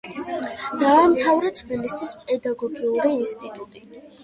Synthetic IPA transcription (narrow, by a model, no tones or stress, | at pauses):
d̪̥aːmt̪ʰavɾɛt̪ʰbilisispʼɛd̪aɡɔɡiuɾiːnst̪ʼit̪ʼut̪ʼi